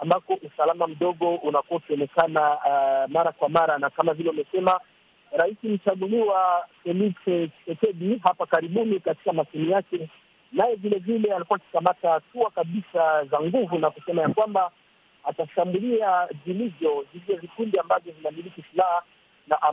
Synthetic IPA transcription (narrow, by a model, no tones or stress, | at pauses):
ambakɔʔusalamam̩ɗɔɠɔʔunakuakiɔnɛkanamaɾakwamaɾanakamavilɛumɛsɛma | ɾaisim̩t͡ʃaɠuliwafɛlisɛsɛkɛɗiɦapakaɾiɓunikati̥kamasunijakɛ | najɛvilɛvilɛalikuwaki̥kamatatuakaɓisazaŋɡuvunakusɛmajakwamba | ataʃambuliavilivjɔzivjɔvikundiambavjɔvinamilikisilaha | naʔa